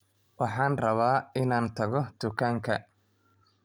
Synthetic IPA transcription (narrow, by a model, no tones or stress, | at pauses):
wɑħɑːnrɐβaːɪnaːnt̪ʰɐɣɔd̪̥ʊkʰaːŋkʰɐ̰